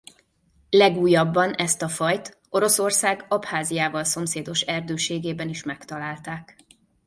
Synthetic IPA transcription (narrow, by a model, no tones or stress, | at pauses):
lɛɡuːjɒbːɒnɛst̪ɒfɒjt̪ | o̞ɾo̞so̞rsaːɡɒphaːzijaːvɒlso̞mseːd̪o̞ʃɛrd̪øːʃeːɡeːbɛniʃmɛkt̪ɒlaːlt̪aːk